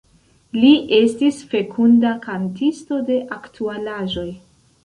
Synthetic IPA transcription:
liʔe̞stisfe̞kʰundakantisto̞de̞ʔaktʰualaʒo̞j

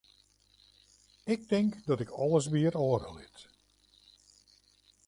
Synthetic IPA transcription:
ɪk̚tɪŋkdɔtɪkʰɔlˠəs̬ʋiəɾɔːrə̰lˠɪt

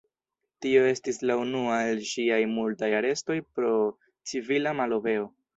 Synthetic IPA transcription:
tio̞e̞stislaunuae̞lʃiajmultajaɾe̞sto̞jpɾo̞ | t͡sivilamalo̞ve̞o̞

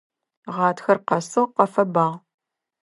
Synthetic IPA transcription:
ʁɑːtʰxɐrqɐsɨʁqɐfɐbaːʁ

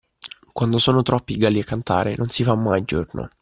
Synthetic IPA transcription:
kwand̪osoːnot̪ɾɔpːiɡaːliakːant̪a̰ːɾenonsifamːajd͡ʒo̰rno̰

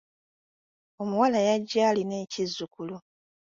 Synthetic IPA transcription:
o̞muwalajaɟːaːline̞ːcizːukulu

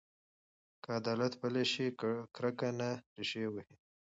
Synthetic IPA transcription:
kaad̪ɑlat̪bəleʃikɾakanaɾɪʃewəhi

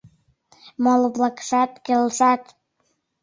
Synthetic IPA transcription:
molβlɑkʃɑt̪kelʃɑt̪

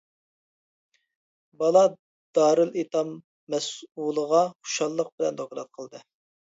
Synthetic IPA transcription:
bɑlˠɑ | d̪̥ɑːɾɨlit̪ʰɑmː | ɛsulˠəʁɑχu̥ʃɑlˠːəq̚bɪlɛnt̪ʰokɾɑt̪̚qʰəlˠd̪ɨ

